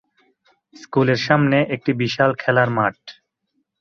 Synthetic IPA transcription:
skuleɾʃamneʔek̚ʈibiʃalkʰɛlaɾmaʈ̚

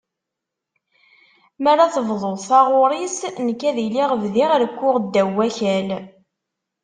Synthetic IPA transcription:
mæɾaθəvðˤolsɑʁʊɾˤisnəkːæðiliʁəvðiʁɾkʷːʊʁd̪ːæwːæçæl

